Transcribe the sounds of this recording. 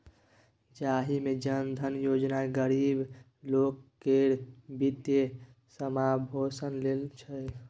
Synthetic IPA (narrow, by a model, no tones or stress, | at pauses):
d͡ʒaɦimed͡ʒənd̪ʱənjod͡ʒnaɡəɾib | lokːeɾbit̪e | səmabʱosənlelt͡ʃʰəj